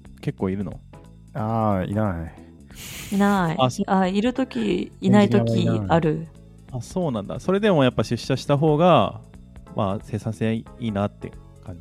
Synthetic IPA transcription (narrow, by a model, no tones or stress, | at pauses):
ke̞kːo̞ːiɾɯ̟no̞̰ | aːḭnai | inaiaaiɾɯ̟t̪o̞kʲiinaiokʲiaɾɯ̟ | aso̞ːnãnd̪a̰so̞ɾe̞d̪e̞mo̞japːaɕɨɕːaɕi̥t̪aɦo̞ːɡa | mase̞ːsãseiːnat̪ːe̞̰ | kãɲ